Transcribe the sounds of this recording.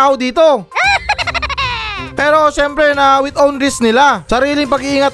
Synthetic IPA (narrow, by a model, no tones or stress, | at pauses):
aʔod̪iːt̪o̞ | pɛːɾo̞ʃɛmpɾɛnɐwɪd̪onɾɪsnɪlasɐɾiːlɪŋpɐɡiʔːŋɐt̪